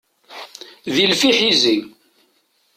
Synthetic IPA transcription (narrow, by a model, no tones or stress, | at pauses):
ðilfiħizi